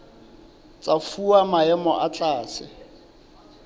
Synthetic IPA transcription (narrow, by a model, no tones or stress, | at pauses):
t͡sʼafuamaɛmɔ̰ʔat͡ɬʼaːsɪ